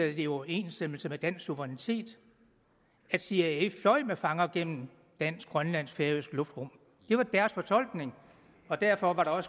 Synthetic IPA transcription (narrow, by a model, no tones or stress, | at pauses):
æð̩ˠd̥iɒʊe̝ːnsd̥eml̩səmed̥æn̰ssuʋɐʁanit͡sʰe̝̰ːd̥ | æd̥siæeflɒ̽ɪ̰mefɑ̈ŋɐɡ̥en̰m̩n̩ | d̥æn̰sɡ̥ɡ̥ʁɶnlæn̰sfeɐisɡ̥lɔ̽fd̥ʁɔm̰ | d̥e̝ʋɑ̈d̥æɐsfɒ̽t͡sʰɒ̽l̰ɡ̥ne̝ŋ | ɒ̽d̥æɐfɒ̽ʋɑ̈ɾ̥ɑ̈ɒ̽s